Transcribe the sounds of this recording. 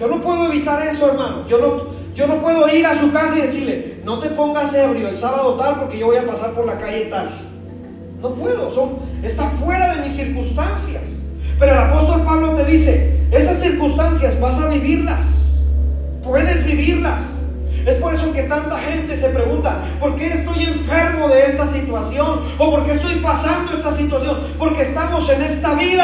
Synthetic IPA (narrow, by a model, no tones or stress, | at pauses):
ɟ͡ʝo̞no̞pwe̞ðoe̞β̞it̪aɾe̞so̞eɾmanoʝo̞no | ɟ͡ʝo̞no̞pwe̞ðo̞iɾasukasaiðe̞siɾle̞no̞t̪e̞po̞ŋɡaseβɾjo̞elsaβaðo̞t̪alpo̞ɾke̞ʝo̞βojapasaɾpo̞ɾlakaʝe̞t̪al | no̞pwe̞ðo̞so̞ne̞st̪afwe̞ɾaðe̞misːiɾkunst̪ansja̰spe̞ɾo̞elapo̞st̪o̞lpaβ̞lo̞t̪e̞ðise̞e̞sasːiɾkunst̪ansjazβasaβiβiɾla̰s | pwe̞ðe̞zβiβiɾlas | e̞spo̞ɾe̞so̞ke̞t̪ant̪axe̞nt̪e̞se̞pɾe̞ɣunt̪a̰ | po̞ɾke̞ːst̪o̞je̞ɱfe̞ɾmo̞ðe̞est̪asit̪wasjo̞n | o̞po̞ɾke̞est̪o̞jpasand̪o̞e̞st̪asit̪wasjo̞npo̞ɾke̞ːst̪amose̞ne̞st̪aβiða